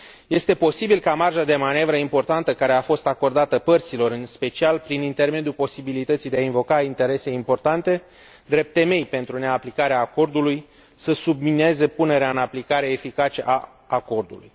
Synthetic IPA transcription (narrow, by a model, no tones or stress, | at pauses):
je̞st̪e̞po̞sibilkamarʒad̪e̞mane̞vɾəimpo̞rt̪ant̪əkaɾe̞afo̞st̪ako̞rd̪at̪əpərt̪silo̞ɾɨnspe̞t͡ʃialpɾinint̪e̞rme̞d̪jupo̞sibilit̪ət̪sijd̪eainvo̞kaint̪e̞ɾe̞se̞impo̞rt̪ant̪e̞ | d̪ɾe̞p̚t̪ːe̞me̞jpe̞nt̪ɾune̞aplikaɾeaːko̞rd̪uluj | səsubminee̞ze̞pune̞ɾeaɨnaplikaɾe̞efikat͡ʃe̞ʔaː | ko̞rd̪ulṵj